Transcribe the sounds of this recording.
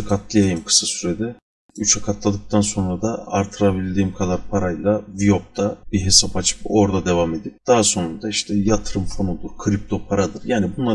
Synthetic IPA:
kʰat̪lˠajajɯmkʰɯ̥sasyɾed̪ɛ | yt͡ʃʰakʰat̪lˠad̪ɯk̚t̪ʰanso̞nɾad̪aaɾt̪ʰɯɾabilʲd̪iːmkʰad̪aɾpʰaɾajlˠavijop̚t̪ʰabiɦe̞sapat͡ʃʰɯ̥po̞ɾd̪ad̪e̞vame̞d̪ip̚d̪̥aɦaso̞nund̪aiʃt̪ʰɛjat̪ʰɯɾɯmfo̞nuld̪ˠuɾkʰɾip̚t̪ʰo̞pʰaɾad̪ɯɾjaːnibunlˠa

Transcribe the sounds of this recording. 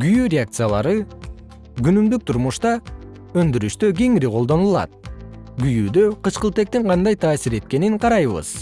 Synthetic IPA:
ɡyjyɾʲeak̚t̪sɨjalˠɑɾɯ | ɡynymd̪yk̚t̪ʰuɾmuʃt̪ɑ | ønd̪yɾyʃt̪øɡʲe̞ŋiɾiqʰo̞lˠd̪o̞nulˠɑ̰t̪̚ | ɡyjyːd̪øqɯʃqəlˠt̪e̞k̚t̪iɴqʰɑnd̪ɑjt̪ʰɑːsiɾe̞t̪̚ke̞niŋqʰɑɾɑjβɯ̰z̥

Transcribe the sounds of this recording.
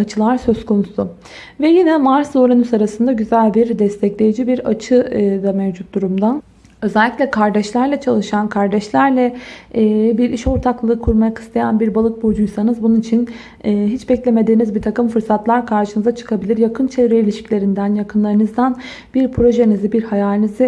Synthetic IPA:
at͡ʃʰɯlˠaɾsø̞skʰo̞nusʊ | vɛjinɛmaɾso̞ɾanysaɾasɯnd̪aɟyzælʲbiɾd̪ɛst̪ʰɛclʲe̞jid͡ʒibiɾat͡ʃʰɯd̪amɛvd͡ʒut̪̚d̪uɾumd̪an | ø̞zɛlʲːicʲlʲɛkʰaɾd̪ɛʃlʲæɾlʲˠɛt͡ʃʰalˠɯʃankʰaɾd̪ɛʃlʲæɾlʲɛː | biɾiʃo̞ɾt̪ʰaklˠɯːkʰuɾmajakʰɯ̥st̪ʰajanbiɾbalˠɯk̚bod͡ʒujsanɯzbununit͡ʃʰinː | ɦit͡ʃbɛclʲe̞me̞d̪iːnizbiɾt̪ʰakɯmfɯɾsat̪lˠaɾkʰaɾʃɯnɯzat͡ʃʰɯ̥kʰabilʲiɾjakʰɯnt͡ʃʰevɾɛilʲiʃi̥clʲe̞ɾind̪ænjakʰɯnlˠaɾɯnɯzd̪an | b̥iɾpʰɾo̞ʒenizibiɾhajaːlʲinizɪ

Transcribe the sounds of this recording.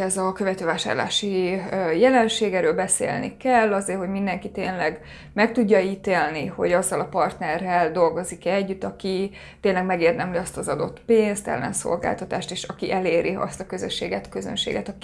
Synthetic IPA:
ɛzɒkøvɛt̪øːvaːʃa̰ːrla̰ːʃijɛlɛnʃeːɡɛɾøːlbɛsḛːlnḭkɛlːɒzeːrho̞ɟmind̪ɛŋkit̪eːnlɛɡ | mɛk̚t̪uɟːɒiːt̪eːlniho̞̰ɟɒzːɒlɒpɒrt̪nɛrːɛld̪o̞lɡo̞zikɛɟːyt̪ːɒki | t̪eːnlɛɡmɛɡeːrd̪ɛmliɒst̪ɒzɒd̪o̞t̪peːnst̪ɛ̰lːɛ̰nso̰lɡa̰ːlt̪ɒt̪aːʃt̪eːʃɒkiʔɛleːɾʔiɒ̰st̪ɒkø̞zø̰ʃːḛːɡɛt̪køzø̰nʃḛːɡɛt̪ɒk

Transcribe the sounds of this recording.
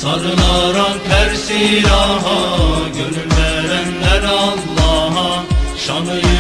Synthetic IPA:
saɾɯlˠaɾanpʰæɾsiɾɑɦɑɟønylːæɾænlæɾɑlˠːɑːɦɑʃanɯ

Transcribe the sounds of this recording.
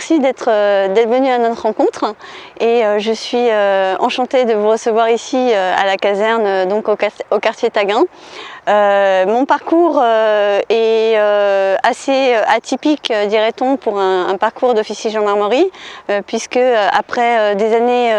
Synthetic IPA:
mɛʁsid̪ɛt̪χəd̪ɛt̪χvənyanɔt̪χʁɑ̃kɔ̃t̪χ | eøʒəsɥiøɑ̰̃ʃɑ̃t̪ed̪əvuʁəsəvwaʁisiøa̰lakazɛʁnød̪ɔ̃kookaʁt̪jet̪aɡɛ̃ | ømɔ̃paʁkuʁøɛøaseøat̪ipikød̪iʁɛt̪ɔ̃puʁɛ̃ːpaʁkuʁd̪ɔfisjeʒɑ̃maʁmɔʁiøpɥiskəøa̰pχɛød̪ezane

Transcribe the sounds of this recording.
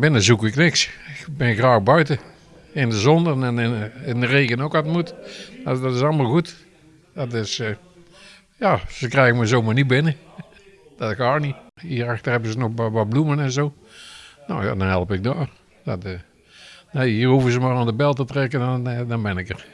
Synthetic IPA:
bɪnəzukɪknɪksɪkbɪnxraːɣbœɥtə | ɪndəzɔndənɛnɪndəreːkənokʋatmutdɔtɪsɑlˠmalˠxut | dɔtɪs | jaːsəkrɛjɣəmɛzoːmarnit̚bɪnə | d̥ɔtxaːniiːəraxtərɛbəzənɔxʋɔblumənɛnzoː | nowja̰dɔnhɛlˠəpɪk̚doːr | dɔt | naiːəruvəzəmarandəbɛlˠtətrɛkədɔnbɪnɪkər

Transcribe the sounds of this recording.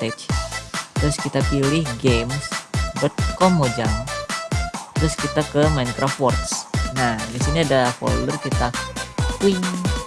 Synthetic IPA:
t̪ɛt͡ʃ | t̪ɾʊskit̪apilɪhɡemsdɔt̪̚kɔmod͡ʒaŋ | t̪ɾʊskit̪akəmant̪ɾafɔrt̪snahdisiniadafo̰l̰lərkit̪akwɪŋ

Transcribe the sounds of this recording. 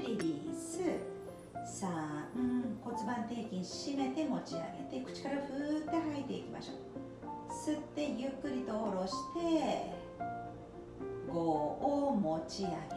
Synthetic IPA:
ɾʲiɾʲisɨ | sãɯ̟̃ko̞t͡sɨbãnt̪e̞ːkʲĩɲɕime̞t̪e̞mo̞t͡ɕia̰ɡe̞t̪e̞kɯ̟̥t͡ɕi̥kaɾaɸɯt̪ːe̞hait̪ːe̞ikʲima̰ɕo̞̰ː | sɨt̪ːe̞jɯ̟kːɯ̟ɾʲit̪o̞ːɾo̞ɕi̥t̪e̞ | ɡo̞ːmo̞t͡ɕiaɡe

